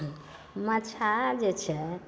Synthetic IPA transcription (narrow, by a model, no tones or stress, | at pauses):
mət͡ʃʰad͡ʒet͡ʃʰɛ